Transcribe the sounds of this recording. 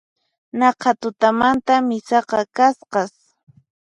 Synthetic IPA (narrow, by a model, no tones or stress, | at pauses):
nɑqʰɑt̪ʊt̪amant̪amɪsɑqɑkasqɑs